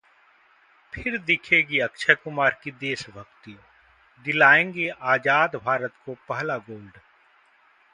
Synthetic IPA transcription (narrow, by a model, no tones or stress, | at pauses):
pʰɪɾd̪ɪkʰeːɡiɐkʃʰəkʊmaːɾkid̪eːʃbʱɐkt̪io | d̪ɪlaːẽːŋɡeʔaːd͡ʒaːd̪bʱaːɾət̪kopɐɦlaɡoːlɖ